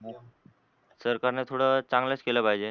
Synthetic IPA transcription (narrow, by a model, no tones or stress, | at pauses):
səɾkaɾnet̪ʰoɽət͡sãŋɡlət͡skeləpaɦjd͡ʑe